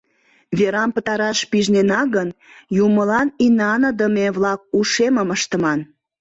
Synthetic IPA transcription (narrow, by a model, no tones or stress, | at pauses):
βeɾɑmpət̪ɑɾɑʃpiʒnenɑɣən | juməlɑninɑnəd̪əmeβlɑk̚uʃeməməʃt̪əmɑn